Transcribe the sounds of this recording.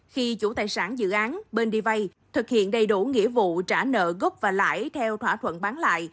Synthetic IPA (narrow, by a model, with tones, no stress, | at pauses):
xi˧t͡ɕu˧˩t̪aː˨˩jsaː˧˩nzɨ̰˧˨ʔaː˨˦nɓe˧nɗi˧va˧j | t̪ʰɨ˨˩k̚hḭ˧˨ənɗə˨˩jɗu˧˩ŋḭ˧˥əvṵ˧˨t͡ɕaː˧˩nə̰ː˧˨ɣə˦˥p̚vaː˨˩la̰ː˧˥jt̪ʰɛ˧wt̪ʰwaː˧˩t̪ʰwə̰˧˨nɓaː˨˦nla̰ː˧˨j